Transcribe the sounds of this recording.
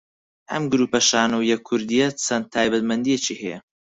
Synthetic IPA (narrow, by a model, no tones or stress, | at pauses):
ʔɐ̰mɡʊɾuːpɐʃaːnuwjɛkʰːʊɾd̪ijɐt͡sʰɐnt̪ʰːaːjbɐt̪mɐnd̪ijɛt͡ʃihɛjɛ̰